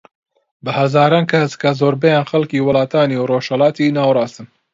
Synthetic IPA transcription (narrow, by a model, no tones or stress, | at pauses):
bɨhɐzɑːɾɑːnkʰɐskazoːɾbɛjɑːnxɐlkiːwɨlɑːt̪ɑːniːwroːʃhɐlɑːt̪iːnɑːwɾɑːst̪ɨm